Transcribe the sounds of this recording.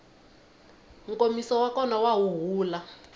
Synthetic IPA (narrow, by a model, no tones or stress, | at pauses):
ŋkomisɔwakɔnawawuɦuːla